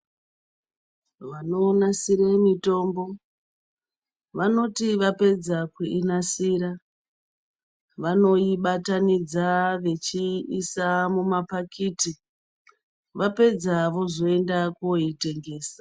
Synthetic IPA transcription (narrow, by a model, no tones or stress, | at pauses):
ʋano̞nasiɾemito̞ːmbo̞ | ʋano̞tiʋape̞d͡zakweʔinasiːɾa | ʋano̞iɓatanid͡zaʋe̞t͡ʃiisamumapakʰiːti | ʋape̞d͡zaʋo̞zo̞e̞ndakoite̞ŋɡe̞ːsḁ